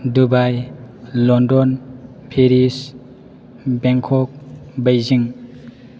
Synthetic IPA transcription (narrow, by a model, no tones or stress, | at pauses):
dubajlɔndɔn | pʰeɾis | beŋkʰɔk̚bajziŋ